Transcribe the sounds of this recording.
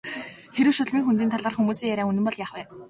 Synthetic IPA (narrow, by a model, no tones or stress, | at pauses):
xeɾɘ̆wʃʊɮmiːŋxunt̪iːnt̪aɮə̆rxumuːsiːŋjaɾʲaːŋunɘ̆mpɔɮjaːχwæː